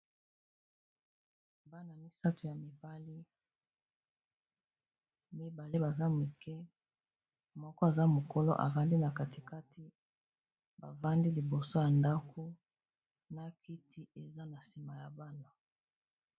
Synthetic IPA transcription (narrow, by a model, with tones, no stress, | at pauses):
ba˦na˨mi˦sa˦tu˨ja˨mi˨ba˦li˦ | mi˦ba˨li˦ba˨za˦mi˨kɛ˦ | mɔ˦kɔ˦a˨za˦mo˨ko˦lo̰˦ʔa̰˨va˦ndi˦na˨ka˨ti˨ka˦tʰi˦ | ba̰˨va˦ndi˦li˨bo˨so˦ja˨nda˦kʰo˦ | na˦kʰi˦tʰi˦e˨za˦na˨si˨ma˨ja˨ba˦na˨